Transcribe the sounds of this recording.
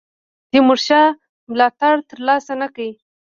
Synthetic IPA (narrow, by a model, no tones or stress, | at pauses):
d̪̥ɪmʊɾʃɑ | mlɑt̪aɽt̪əɾlɑsanakai